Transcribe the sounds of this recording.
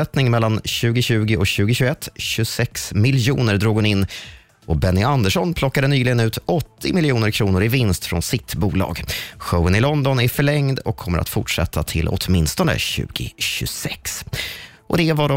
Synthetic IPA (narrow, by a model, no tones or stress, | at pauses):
ɛt̪nɪŋmɛlːanɕʉ̟ːɡɪɕʉ̟ːɡɪɔɕʉ̟ːɡɪɕɵɛt̪ːɕɵsɛksmɪljuːnəɾd̪ɾoːɡʊnɪnː | ʔɔbɛnːɪand̪əʂɔnpʰlɔkːad̪ənyːlɪɡənʉ̟ːt̪ɔt̪ʰːɪmɪlɪuːnəɾkʰɾuːnʊɾɪvɪnst̪fɾɔ̰nsɪt̪buːlɑ̰ːɡɧœwənɪlɔnd̪ɔnæɾfœɭɛŋd̪ɔ̰kʰːɔmːəɾa̰t̪fʊʈʂɛ̰t̪ʰːat̪ʰɪlʊ̰t̪mɪnst̪ɔnə̰ɕʉ̟̰ːɡɪ̰ɕɵ̰sɛks | ʔɔ̰d̪ɛvaɖɔ